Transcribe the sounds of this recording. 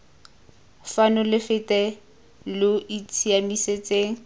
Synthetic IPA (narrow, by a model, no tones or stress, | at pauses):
fanɔlɪfɪtʼɛ | lʊit͡sʰiamiset͡sʼeːŋ̩